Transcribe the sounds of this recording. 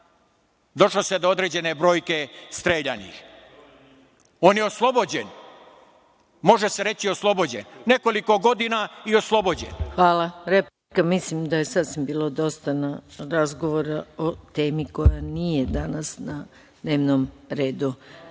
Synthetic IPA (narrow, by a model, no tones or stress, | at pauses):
d̪o̞ʃlosed̪ood̪ɾed͡ʑe̞ne̞bɾo̞ːjke̞st̪ɾeːʎanḭx | o̞ːnjeoslˠo̞bod͡ʑen | mo̞ʒeseɾet͡ɕioslˠobo̞d͡ʑḛnneko̞liko̞ɡo̞d̪inaio̞slˠo̞bo̞d͡ʑḛnxʋaːlˠaɾep | kamislimd̪aje̞sasʋimbiːlˠod̪o̞st̪anaɾazɡo̞ʋoɾaot̪e̞ːmiko̞janije̞d̪anasna | d̪ne̞ːʋnom | ɾe̞ːd̪u